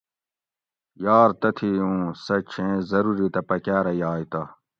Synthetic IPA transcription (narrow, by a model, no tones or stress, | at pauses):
jaːɾt̪ɐt̪ʰiũːsɐt͡ɕʰẽːzɐɾuɾit̪ɐpɐkaːɾɐjaːjt̪ɐ